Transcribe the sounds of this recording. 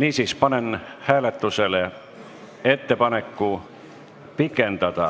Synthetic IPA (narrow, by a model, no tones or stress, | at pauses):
niːsispɑnenhæːlet̪ːusele | et̪ːepɑnekːu | pikent̪ɑt̪ɑ